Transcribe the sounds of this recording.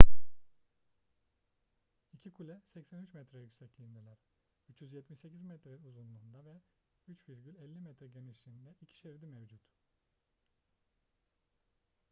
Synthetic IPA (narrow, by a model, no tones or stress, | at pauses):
icʰikʰulʲɛsɛcsænyt͡ʃmɛt̪ɾɛjycsɛclʲiːnd̪ilʲæɾ̥ | yt͡ʃjyzjɛt̪miʃse̞cʰizmɛt̪ɾeuzunlˠuːnd̪avɛ | yt͡ʃviɾɡɟylʲɛlʲːimɛt̪ɾɛɟeniʃlʲiːnd̪ɛicʰi̥ʃeiɾd̪imɛvd͡ʒut̪